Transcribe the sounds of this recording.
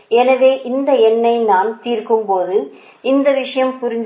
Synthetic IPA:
ɛnɐðeːʔɪnd̪ɐɛnːɐɪnaːnt̪iːrkɯmpoːðɯ | ɪnd̪ɐʋɪʂɐjɐmpʊɾɪɲd͡ʒ

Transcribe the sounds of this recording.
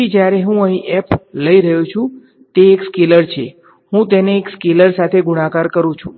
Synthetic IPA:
id͡ʒjaɾeɦũəɦĩʔɛpləiɾəjũt͡ʃʰũ | t̪eːkskiləɾt͡ʃʰḛ | hũt̪eneːkskiləɾsat̪ʰeɡuɽ̃ãkaɾkəɾũt͡ʃʰũ̥̰

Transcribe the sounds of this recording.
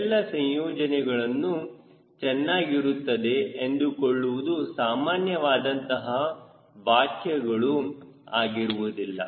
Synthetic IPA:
lːɐsɐ̃jjɔːd͡ʒɐnɛɡɐɭɐnːu | t͡ʃɛnːaːɡiɾut̪ːɐd̪e̞ːnd̪ukoɭːuʋud̪usaːmaːnjɐʋaːd̪ɐnt̪ɐɦɐ | baːkʰjɛɡɐɭu | aːɡiɾuʋud̪ilːɐ̰

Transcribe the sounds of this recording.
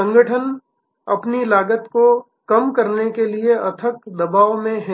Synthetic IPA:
ə̃ŋɡəʈʰən | ɐ̰pnilaːɡət̪ko | kɐmkɐɾnekelieɐt̪ʰəkd̪ɐbaːʋmẽɦɛ

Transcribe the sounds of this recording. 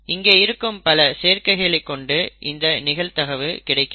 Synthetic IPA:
ɪŋɡeːɪɾɯkːɯmpɐlɐseːɾkɐɪɣɐɭɐɪkːɔɳɖɯʔɪnd̪ɐnɪɣɐɭt̪ɐɣɐʋɯkɪɽɐɪkːɯ

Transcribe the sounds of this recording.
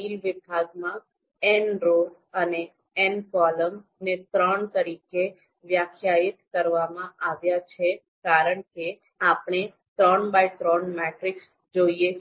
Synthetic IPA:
ilʋɪbʱaɡmã | ɛnɾoɖ | əne | ɛnkɔləmnet̪ɾəɳt̪əɾike | ʋjakʰjaɪt̪kəɾʋamãʔaʋjat͡ʃʰe | kaɾəɳke | apɳ̃e | t̪ɾəɳbajt̪ɾɔnmɛʈɾiks | d͡ʒoie

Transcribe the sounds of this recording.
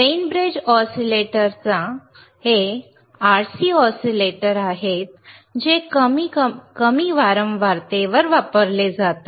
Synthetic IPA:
ɾejnbɾed͡ʑɔsileʈəɾt͡sa | he | aɾsiːɔsileʈəɾaɦet̪̚ | d͡ʑekəmikəmiːʋaɾəmʋaɾt̪eʋəɾʋapəɾled͡zat̪a

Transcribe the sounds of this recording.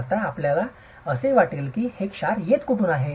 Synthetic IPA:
ɾt̪aːpljala | əseʋaʈiːlkiːhekɕaɾjet̪kupuːnaɦe

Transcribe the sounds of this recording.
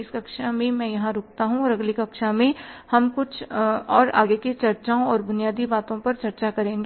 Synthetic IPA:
skɐkʃamẽmɛ̃jɐɦãɾʊk̚t̪aɦũɔːɾɐɡlikɐkʃamẽhɐmkʊt͡ʃʰɔːɾa̰ːɡeket͡ʃɐɾt͡ʃaõɔːɾbʊnijaːd̪ibaːt̪õpɐɾt͡ʃɐɾt͡ʃakɐɾẽːŋɡe

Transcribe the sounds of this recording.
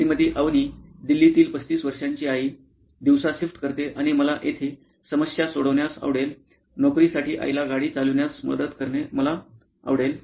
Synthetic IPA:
ɾimət̪iːʔaʋniːd̪ilːit̪iːlpət͡st̪iːsʋəɾʂaɲt͡ɕiːaɦiː | d̪iʋsaɕifʈkəɾt̪eʔaɽ̃iməlaʔet̪ʰe | səməsjasoɽəʋɳjasa̰ʋɽel | nokɾisaʈiːʔa̰jlaɡaɽiːt͡salunjasmə̰d̪əd̪kəɾɳeməla | a̰ʋɽel

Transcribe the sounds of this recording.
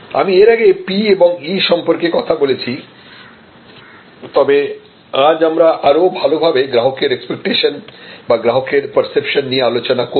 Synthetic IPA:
a̰mieɾaɡepieboŋiʃɔmpoɾkekɔt̪ʰabolet͡ɕʰi | t̪ɔbe | ad͡ʑamɾaʔaɾobʱalobʱabeɡɾaɦokeɾekspek̚ʈeʃonbaɡɾaɦokeɾpəɾsepʃonːijealot͡ɕonako

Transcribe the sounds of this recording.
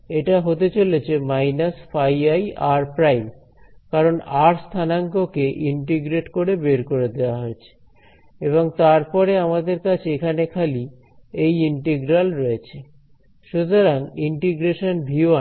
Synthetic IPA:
eʈaɦot̪et͡ɕolet͡ɕʰemajnasfajajaɾpɾajm | kaɾonaɾst̪ʰanaŋkokeʔiɳʈiɡɾeʈkoɾebeɾkoɾed̪eoaɦoet͡ɕʰe̥ | eβoŋt̪aɾpɔɾeamad̪eɾkat͡ɕʰeekʰanekʰali | ejiɳʈeɡɾalɾɔet͡ɕʰe | ʃut̪oɾaŋiɳʈiɡɾeʃonbʱioa

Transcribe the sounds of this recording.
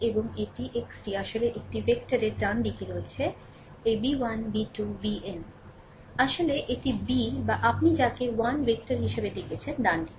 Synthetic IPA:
eboŋeʈiʔeksʈiaʃoleʔek̚ʈivekʈaɾeɾd̪anɖikiɾot͡ɕʰe | ejbiwanbiʈubiem | aʃoleʔeʈibibaʔapnid͡ʑakewanbek̚ʈaɾɦiʃebed̪ekʰet͡ɕʰend̪anɖi

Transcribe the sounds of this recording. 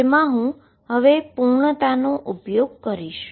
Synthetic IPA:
emãɦũ | ɦəʋepuɾɳət̪anoʔupjoɡ̚kəɾiʃ

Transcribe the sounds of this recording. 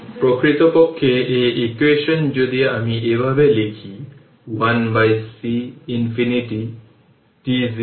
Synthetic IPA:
pɹɔkɹit̪ɔpɔkʰːeeekweʃɔnd͡ʒod̪iamiʔebʱabelekʰi | wanbajsiːnpʰiniʈi | tizi

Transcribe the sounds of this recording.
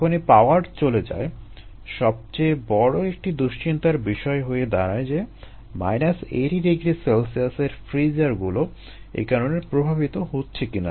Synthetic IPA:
kʰonipaoaɾɖt͡ɕoled͡ʑa̰e | ʃɔb̚t͡ɕebɔɽoek̚ʈid̪uʃt͡ɕint̪aɾbiʃɔeɦojed̪aɾaed͡ʑe | ma̰jnaseɾiɾeɡɾiselsiaseɾfɾid͡ʑaɾɡulo | ḛkaɾoneɾpɾobʱabit̪oɦotːɕʰekina̰

